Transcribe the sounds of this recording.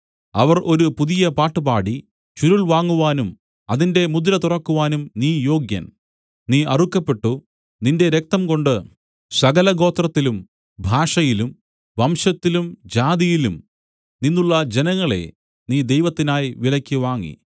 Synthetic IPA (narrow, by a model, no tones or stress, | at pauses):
ɐʋɐrʔo̞ɾupuðijɐpaːʈːɨbaːɽi | t͡ɕuɾuɭʋaːŋːuʋaːnum | ɐðinde̞mud̪lɐt̪urɐkːuʋaːnumniːjo̞ːɡjɐ̰n | niːʔɐrukːɐpːe̞ʈːu | ninde̞ɾek̚t̪ɐmko̞ɳɖɨ | sɐɣɐlɐɡo̞ːt̪rɐt̪ːilum | bʱaːʂɐjilum | ʋɐmɕɐt̪ːilumd͡ʑaːðijilum | ninːuɭːɐd͡ʑenɐŋːɐɭe̞̰ | niːd̪e̞jʋɐt̪ːinaːjʋilɐkʲːɨʋaːŋːḭ